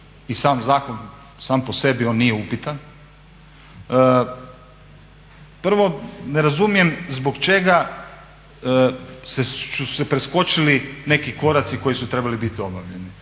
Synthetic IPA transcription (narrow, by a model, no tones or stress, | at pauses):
isaːmzaːkon | saːmpose̞bio̞ːnːijeupit̪an | pr̩ʋo̞neɾazumije̞mzbo̞kt͡ʃe̞ɡa | sesuu̥sepɾesko̞t͡ʃiline̞kiko̞ɾat̪siko̞jisut̪ɾe̞balibit̪io̞baʋʎeni